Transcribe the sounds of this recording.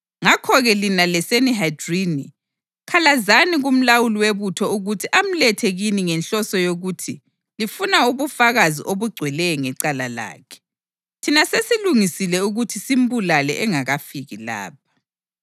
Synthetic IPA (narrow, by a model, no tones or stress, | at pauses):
ŋakʰɔɣɛlinalɛseniɦajdrini | kʰalazaniɣum̩lawuliweβutʰɔuɣutʰiʔam̩lɛtʰeɣiniŋɛnɬɔsɔjoɣutʰi | lifunauβufaɣaziʔoβuɡ͡ǀʱwɛlɛjɔŋɛǀalala̰ːkʰɛ̥ | tʰinasesiluŋisilɛuɣutʰisim̩bulalɛʔɛŋaɣafiɣila̰ːp̚ʰḁ